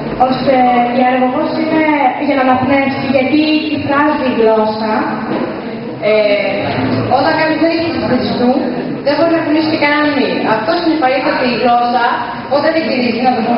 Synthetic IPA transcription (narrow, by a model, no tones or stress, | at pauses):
o̞st̪eiɐɾɣoɣosineʝɐnɐnɐpnepsiʝɐt̪itifɾɐziːɣlo̞sɐ | e | ot̪ɐŋkɐnizmeðisit̪istet̪ist̪u | ðebo̞ɾinɐkinisi̥cekɐnɐniɐft̪o̞sinipɐɾisθɐt̪eiɣlo̞sɐ | pot̪eðeciɾizinɐvou